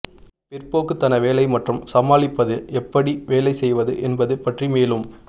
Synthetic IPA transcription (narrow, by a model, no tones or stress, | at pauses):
pɪrpoːkɯt̪ːɐnɐʋeːlɐɪmɐʈrɯmsɐmaːlɪpːɐðɯɛpːɐɽiʋeːlɐɪsɛjʋɐðɯʔɛnbɐðɯpɐʈrimeːlɯm